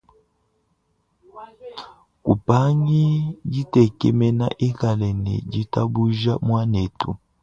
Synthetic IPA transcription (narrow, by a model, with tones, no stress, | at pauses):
ku˨pa˦ɲi˦ɟi˦tɛ˨kɛ˨mɛ˦na̰˦ʔe˦ka˨lɛ˨nɛ̰˨d͡ʒi˦ta˦bu˦ʒa˦mwa˦ne˨tṵ˨